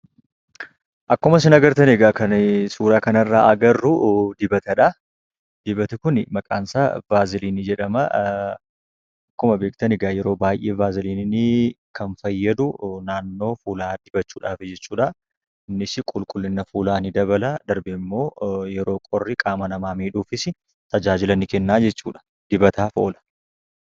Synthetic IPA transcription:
ʔɐkːʊmɐs̬ɪnɐɡɐɾt̪ɐnɪɡakɐnsuːɾaːkɐnɐrːaːʔɐɡɐrːʊd̪ɪbɐt̪ɐᶑɐ | d̪ɪbɐt̪ɪkʊnɪmɐkʼaːnsabaːzɪliːnɪd͡ʒɛᶑɐmɐ | ɐkːʊmɐbeːkʼt̪ɐnɪɡaːjɛɾo̞ːbaːjʔe̞ːbaːzɪliːnnikʰɐnfɐjːɐd̪ʊnaːnːo̞ːfuːlaːd̪ɪbɐt͡ʃːuːᶑaːfɪd͡ʒɛt͡ʃːuːᶑɐ | ɪnːɪsɪkʼʊlkʼʊlːɪnːɐfuːlaːnɪd̪ɐβɐlad̪ɐɾbɛɪmːo̞ːjɛɾo̞ːkʼɔrːɪkʼaːmɐnɐmaːmiːᶑuːfɪsɪ | t̪ɐd͡ʒaːd͡ʒɪlɐnɪkɛnːaːd͡ʒɛt͡ʃːuːᶑɐ̥ | d̪̥ɪbɐt̪aːfo̞ːlɐ̥

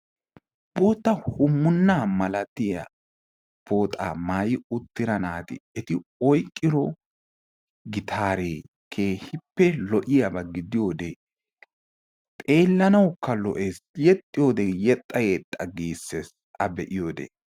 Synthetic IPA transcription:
boːt̪ːɐhʊmːʊnːaːmɐlɐt̪ːɪjɐ̰ | b̥oːt̪ʼa̰ːmaːjɪʊt̪ːɪɾɐnaːt̪ɪ̰ɛt̪ɪɔjkʼːɪɾɔ | ɡɪt̪ʰaːɾeː | kʰeːhɪpːɛlɔʔɪjɐbɐɡɪd̪ɪjo̞ːd̪e | t̪ʼe̞ːlːɐnɐwkːɐlɔ̰ʔeːsjɛt̪ʼːɪjo̞ːd̪ɛjɛt̪ʼːɐjɛt̪ʼːɐɡiːsːes | ʔɐbɛʔɪjoːd̪ḛː

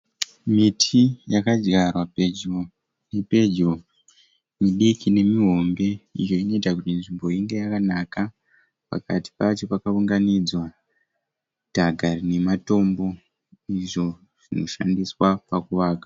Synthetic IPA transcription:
mitʰijakad͡ʒɡarwaped͡ʒo | nepe̞d͡ʒo | miɗikʰine̞miɦo̞mbe̞ḭjo̞ino̞itakutinʐimbo̞iŋɡe̞jakanaka | pa̰kati̥pat͡ʃo̞pakauŋɡanid͡zwa | d̥ʱaɡʱarine̞mato̞mbo̞ | iʐo̞ | ʐ̥ino̞ʃandiswapakuʋaːkḁ

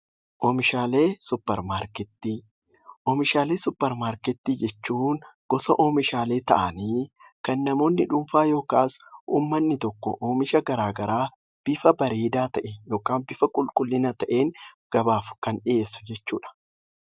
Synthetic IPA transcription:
ʔɔːmɪʃaːle̞ːsʊpːɛɾmaːɾkɛt̪ːi | ʔoːmɪʃaːle̞ːsʊpːɛɾmaːɾkɛt̪ːiːd͡ʒɛt͡ʃːuːŋɡ̥ɔsɐʔoːmɪʃaːle̞ːt̪ɐ̰ʔɐniː | kɐnːɐmo̞ːnːɪᶑʊmfaːjo̞ːkaːsʔṵːmːɐnːɪt̪ɔkːɔ̰ʔoːmɪʃɐɡɐɾaːɡɐɾaː | b̥ɪfɐbɐɾeːd̪aːt̪ɐʔɛjo̞ːkaːmbɪfɐkʼʊlkʼʊlːɪnɐt̪ɐʔeːŋ | ɡ̥ɐbaːfʊ̥kɐnᶑɪʔe̞ːsːʊ̥d͡ʒɛt͡ʃːuːᶑɐ̥

